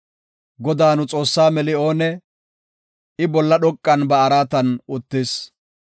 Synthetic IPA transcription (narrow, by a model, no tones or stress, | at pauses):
ɡɔd̪aːnʊt͡sʼo̞ːsːaːmɛlɪo̞ːnɛ | ɪbɔlːɐɗɔkʼːɐnbɐːɾaːt̪ɐnʊt̪ːɪs